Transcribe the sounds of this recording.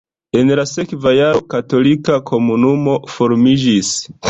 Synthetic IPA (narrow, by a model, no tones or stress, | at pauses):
e̞nlase̞kvajaɾo̞kato̞likakʰo̞munumo̞fo̞ɾmid͡ʒis